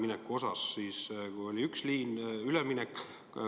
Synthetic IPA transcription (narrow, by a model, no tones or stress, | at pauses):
minekːuo̞sɑsːiːskujo̞lʲiyksliːnylɛminekː